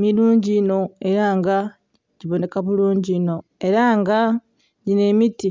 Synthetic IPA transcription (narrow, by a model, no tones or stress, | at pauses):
miɾuːɲɟino̞eɾaːŋɡa | ɟiβone̞kaβuluːɲɟino̞e̞ɾaːŋɡa | ɟine̞miti